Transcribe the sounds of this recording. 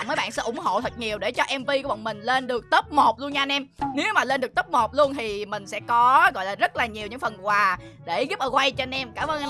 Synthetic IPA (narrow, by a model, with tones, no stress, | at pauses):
məː˨˦jɓa̰ː˧˨nsɛ̰˧˥ʔʊ˧˩ŋ͡mɦo̰˧˨t̪ʰə˨˩t̚ɲi˨˩əwɗe˧˩t͡ɕɔ˧ʔɛ˧mvi˧ku˧˦ɓɔ̰˧˨wŋ͡mmï˨˩ŋ̟le˧nɗɨ˨˩ək̚t̪əː˦˥p̚mo˨˩t̚lu˧ənɲaː˧nʔɛ˧mne˨˦wmaː˨˩le˧nɗɨ˨˩əkt̪ə˦˥p̚mo˨˩t̚lu˧ənt̪ʰi˨˩mï˨˩ŋ̟sɛ̰˧˥kɔ˨˦ɣɔ̰˧˨jlaː˨˩zə˦˥t̚laː˨˩ɲi˨˩əwɲɨ̰˧˥ŋfə˨˩nkwaː˨˩ | ɗe˧˩ɣi˦˥p̚ʔəː˧˩kwa˧jt͡ɕe˧nɛ˧mkaː˧˩mʔəː˧n˧